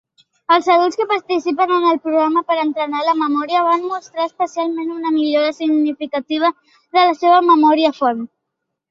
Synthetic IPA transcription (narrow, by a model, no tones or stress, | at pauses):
əlˠzəðulˠskəpaɾt̪isipənənəlˠpɾuɣɾaməpəɾənt̪ɾənaləməmɔɾiəβ̞anmust̪ɾaəspəsialˠmenunəmiʎoɾəsiɡnifikət̪iβ̞ə | ðələseβəməmɔɾiəfɔɾm